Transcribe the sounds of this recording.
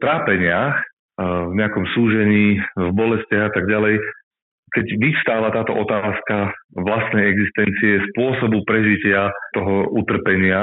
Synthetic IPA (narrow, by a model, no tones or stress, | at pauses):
ft̪ɾaːpɛɲɪax | vɲɛakɔmsuːʒɛɲiːvbɔlɛscaɣat̪aɡɟalɛj | kɛɟʋifst̪aːʋat̪aːt̪ɔʔɔt̪aːskaʋlast̪nɛjɛɡzist̪ɛnt͡siɛspʊɔsɔbupɾɛʒicɪat̪ɔɦɔut̪r̩pɛɲɪa